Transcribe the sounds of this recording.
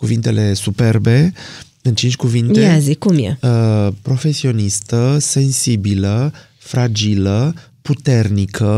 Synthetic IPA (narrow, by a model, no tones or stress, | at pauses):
kuvint̪e̞le̞supe̞rbe̞ | ɨnt͡ʃint͡ʃʲkuvint̪eazikumjḛəpɾo̞fe̞sio̞nist̪əse̞nsibilə | fɾad͡ʒilə | put̪e̞rnikʰə